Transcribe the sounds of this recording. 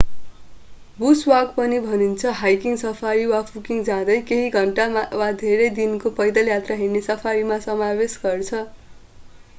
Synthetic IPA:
buswaɡpʌnibʱʌnint͡sʰʌɦajkiŋsʌpʰaɾiwapʰukiŋd͡zãd̪ʌjkeɦiɡʱʌɳʈawad̪ʱeɾʌjd̪inkopʌjd̪ʌljat̪raɦernesʌpʰaɾimasʌmawesɡʌrt͡sʰʌ

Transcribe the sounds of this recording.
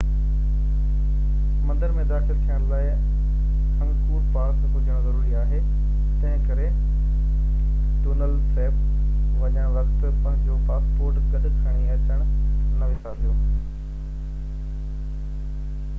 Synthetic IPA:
mɐ̃nd̪əɾmẽd̪aːxɪlt̪ʰijəɽ̃laːɪ | ɐ̃ŋkuːɾpaːɾsɦʊd͡ʑəɽ̃zɐɾuːɾiaːɦe | t̪ɐ̃ɦɪ̃kɐɾe | ʈuːnəlseːp | ʋɐɲãʋɐkt̪̆pɐ̃ɦɪ̃ɲd͡ʑopaːspoːɾʈɡɐɗʊkʰaːɽ̃iɐt͡ɕəɽ̃nɐʋɪsabijo

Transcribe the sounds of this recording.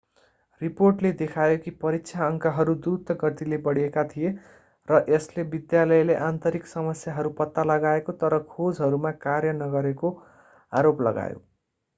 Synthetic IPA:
riporʈled̪ekʰajokipʌɾiksʰaʌŋkaɦʌɾud̪uɾut̪ːʌɡʌt̪ilebʌɽijekat̪ʰije | rʌʔeslebid̪jalʌjleʔant̪ʌɾiksʌmʌsjaɦʌɾupʌt̪ːalʌɡaekot̪ʌɾʌkʰod͡zɦʌɾumakarjʌnʌɡʌɾeko | aɾoplʌ̰ɡa̰jo̰

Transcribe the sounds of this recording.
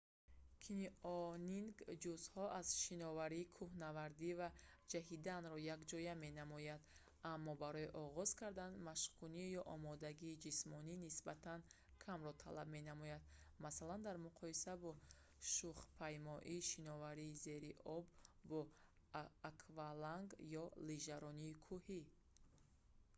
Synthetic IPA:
kʰiniɔniŋɡd͡ʒuzhɔʔaz̥ʃinɔvaɾiːkʰuhnavaɾd̪ivad͡ʒaɦid̪anɾɔjakd͡ʒɔjame̞namɔjad̪ | amːɔbaɾɔiʔɔʁɔz̥kʰaɾd̪anmaʃqʰunijɔʔɔmɔd̪aɡiːd͡ʒismɔninisbat̪ʰan | kʰamɾɔt̪ʰalabme̞namɔjad̪̚masaland̪aɾmuqʰɔisabɔ | ʃuχpʰajmɔʔiːʃinɔvaɾiːze̞ɾiʔɔbːɔː | kʰvalaŋɡjɔliʒaɾɔniːkʰuhi

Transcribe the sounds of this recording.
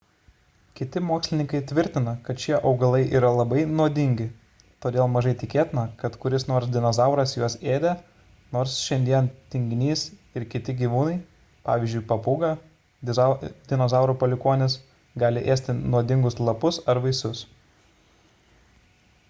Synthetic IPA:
kʲɪt̪ʲɪmoːksʲlʲɪnʲɪŋkɐɪt̪ʲʋʲɪɾʲt̪ʲɪnɐkɐt̪t͡ʃʲiɛʔɒʊɡɐlˠɐɪʔiːɾɐlˠɐbɐɪnuɔd̪ʲɪŋʲɡʲɪ | t̪oːd̪ʲeːlˠmɐʒɐɪt̪ʲɪkʲeːt̪ʲɪnɐkɐt̪kʊɾʲɪsnoːɾsd̪ʲɪnɔzɑˑʊɾɐsjuɔseːd̪ʲɛ | noːɾsʃʲɛnʲd̪ʲiɛnt̪ʲɪŋʲɡʲnʲiːsɪɾkʲɪt̪ʲɪɡʲiːʋuːnɐɪ | pɑ̰ːʋʲiːzʲd͡ʒʲʊɪpɐpuːɡɑ | d̪ʲɪnozɑˑʊɾuːpɐlʲɪkuːnʲɪs | ɡɑːlʲɪʔeːsʲt̪ʲɪnuɔd̪ʲɪŋɡʊslˠɐpʊsɐɾʋɐɪsʊs

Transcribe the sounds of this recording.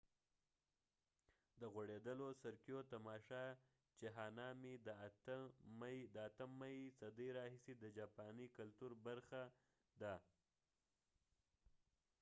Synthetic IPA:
d̪əɣwaɽed̪əlosaɾkjot̪amɑʃɑ | t͡ʃeɦɑnɑmid̪ | d̪əat̪əmːajsad̪əjɾɑɦised̪əd͡ʒɑpɑnikalt̪uɾbaɾxa | d̪a

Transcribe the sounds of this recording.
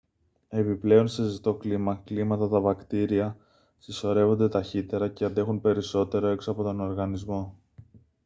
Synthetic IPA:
e̞piple̞o̞nsezit̪o̞klimɐklimɐt̪ɐt̪ɐvɐkt̪iɾiɐ | siso̞ɾe̞vo̞nd̪e̞t̪ɐçit̪e̞ɾɐceɐnd̪e̞xunpe̞ɾiso̞t̪e̞ɾo̞e̞ksoɐpo̞t̪o̞no̞ɾɣɐnizmo̞

